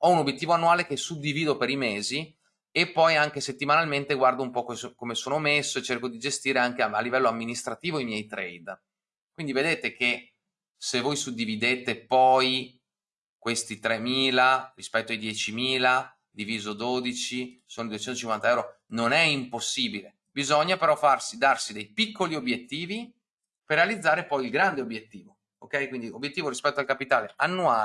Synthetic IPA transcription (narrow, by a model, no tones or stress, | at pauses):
ɔunobːjet̪ːiːvoanːuaːlekesud̪ːiviːd̪opeɾimeːzi | epːɔjaŋk̟eset̪ːimanalment̪eɡward̪oumpɔkoskomesoːnomesːoet͡ʃerkod̪id͡ʒest̪iːɾeaŋk̟ealːivɛlːoamːinist̪ɾat̪iːvoimjɛjt̪ɾɛjd̪ | kwind̪ived̪eːt̪eke | sevoːjsud̪ːivid̪eːt̪epɔj | kwest̪it̪ɾemːiːlarispɛt̪ːoajd̪jɛt͡ʃimiːla | d̪iviːzod̪od̪it͡ʃisoːnoid̪uet͡ʃɛnt̪ot͡ʃiŋkwant̪aɛwɾo | nonɛimposːiːbile | bizɔɲːapeɾɔfarsid̪arsid̪ejpikːoliobjet̪ːiːvi | perːealid̪zːaːɾepɔjilɡɾand̪eobjet̪ːiːvo | okːɛjkwind̪iobːjet̪ːiːvoɾispɛt̪ːoalkapit̪aːleanːua